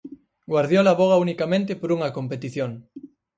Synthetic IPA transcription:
ɡwaɾðjolaβoɣ̞aunikamẽnt̪̬epoɾuŋɐkompet̪iθjoŋ

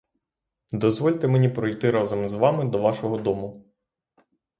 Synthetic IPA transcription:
d̪ɔzʋɔlʲt̪emenʲipɾɔjt̪ɪɾɑzɐmzʋɑmɪd̪ɔʋɑʃɔɦɔd̪ɔmʊ

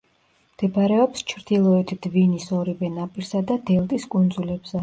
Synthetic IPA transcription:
md̪̥ɛbaɾɛɔpst͡ʃʰɾd̪ilˠɔɛt̪ʰd̪̥vinisɔɾivɛnapʼiɾsad̪ad̪ɛlˠt̪ʼiskʼund̪zulɛbz̥ɛ

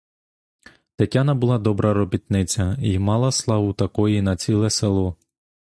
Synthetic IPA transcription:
t̪ɐtʲanɐbʊlˠɑd̪ɔbɾɐɾɔbʲit̪nɪt͡sʲɐimɑlˠɐslˠɑʋʊt̪ɐkɔjinɐt͡sʲilˠɛselˠɔ

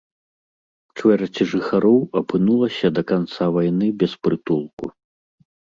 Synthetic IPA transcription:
t͡ʂvɛɾɐt͡sʲiʐɨxaɾɔwɐpɨnulˠɐsʲɐd̪ɐkant̪savajnɨbʲɛspɾɨtp̪ulˠku

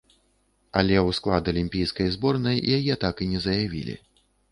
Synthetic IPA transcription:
ɐlʲɛwsklˠad̪ɐlʲimʲpʲijskɐjzbɔrnɐjjajɛt̪akinʲɛzɐjavʲḭlʲḭ

